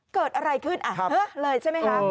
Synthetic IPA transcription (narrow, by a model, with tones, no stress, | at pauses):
kəː˨˩t̪̚ʔaː˧ɾa˧jkʰɯː˥˩nʔaː˧˩˧həː˦˥ləː˧jt͡ɕʰa˥˩ma˧˦haː˦˧